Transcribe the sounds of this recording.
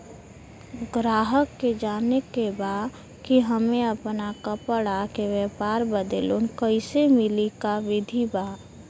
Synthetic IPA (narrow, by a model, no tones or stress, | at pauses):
ɡɾaːɦəkːed͡ʒaːnekeba | kiɦəmẽəpnakəpəɽakeʋɛpaːɾbəd̪əlunkəɪsemɪlikaʋɪd̪ʱiba